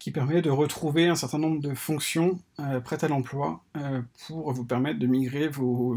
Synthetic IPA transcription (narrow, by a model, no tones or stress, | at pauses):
kʲipɛʁmɛd̪əʁət̪χuveɛ̃sɛʁt̪ɛ̃nɔ̃mbʁəd̪əfɔ̃ksjɔ̃øpχɛt̪alɑ̃plwapʰuʁvupɛʁmɛt̪d̪əmiɡʁevo